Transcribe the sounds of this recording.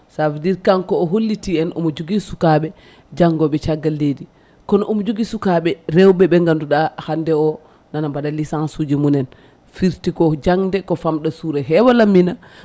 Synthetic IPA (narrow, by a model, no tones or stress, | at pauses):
safdiɾkaŋkɔːɦolːitiɛnʔɔmɔd͡ʒuɡisukaɓɛ | d͡ʒaŋɡɔɓɛt͡ʃaɡːaledi | kɔnʔɔmd͡ʒuɡisukaɓɛɾɛwɓɛɓɛŋɡanduɗahandɛɔ | nanambadalisansud͡ʒimunɛn | fiɾtikɔd͡ʒaŋdɛkɔfamɗɔsuɾɛɦɛwalamːina